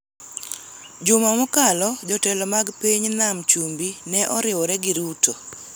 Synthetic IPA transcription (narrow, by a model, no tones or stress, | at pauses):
d͡ʒʊmamɔkalɔd͡ʒɔtɛlɔmaɡpiɲnamt͡ʃumbinɛʔɔɾɪwɔɾɛɡɪɾuto